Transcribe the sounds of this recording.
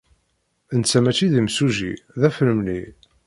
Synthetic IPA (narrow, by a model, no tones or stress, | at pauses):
ənt͡sːæmæt͡ʃːiðimsuʒḭðæfləmli